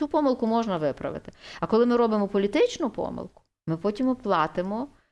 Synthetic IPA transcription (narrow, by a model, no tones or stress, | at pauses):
upɔmɪlˠkʊmɔʒnɐʋɪpɾɐ̰ʋɪ̰t̪ɪɐkɔlˠɪmɪɾɔbɪmɔpɔlʲit̪ɪt͡ʃnʊpɔ̰mɪ̰lˠkʊ̥ | mɪpɔtʲimplˠɑt̪ɪmɔ